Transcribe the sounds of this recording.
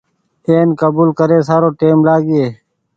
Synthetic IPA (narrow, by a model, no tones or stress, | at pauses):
eːnkəbuːlkəɾeːs̬aːɾoːʈeːmlaːɡieː